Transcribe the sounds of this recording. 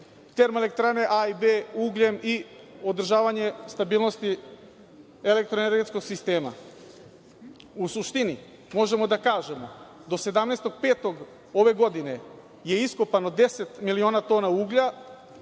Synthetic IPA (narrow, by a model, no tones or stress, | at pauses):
t̪e̞ɾmele̞k̚t̪ɾane̞ʔaibeuːɡʎe̞mi | o̞d̪r̩ʒaːʋaɲe̞st̪abiːlˠno̞st̪i | e̞le̞k̚t̪ɾoene̞ɾɡe̞t̪sko̞ɡsist̪e̞ːma̰ | usuʃt̪ini | mo̞ʒe̞mo̞d̪akaːʒe̞mo̞̰d̪o̞se̞d̪amnest̪o̞ɡ̥̚pe̞ːt̪o̞ɡ | o̞ʋe̞ɡo̞d̪ine̞ | je̞isko̞pano̞d̪e̞se̞t̪milio̞ːnat̪o̞ːnauːɡʎa